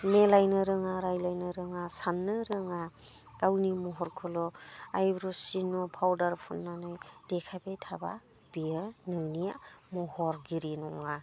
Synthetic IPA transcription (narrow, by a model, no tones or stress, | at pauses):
melajnɯɾɯŋaɾajlajnɯɾɯŋasanːɯɾɯŋa | ɡawnimɔɦɔɾkʰɯlɔajbɾɔsinɔpʰawdaɾpʰunːanɯjd̥ekʰabetʰaba̰ | biɾnɯŋnijamɔhɔɾɡiɾinɔ̰ŋa